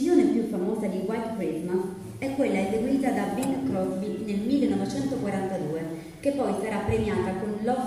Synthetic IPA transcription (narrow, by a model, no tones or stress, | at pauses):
joːnepjufːamɔːzad̪iwajt̪kɾit̪mas | ɛkːwelːaezeɡwiːt̪ad̪abinkɾɔzbinelmilːenɔvet͡ʃɛnt̪okwaɾant̪ad̪uːe | k̟epːɔjsaɾapːɾemjaːt̪akonlɔ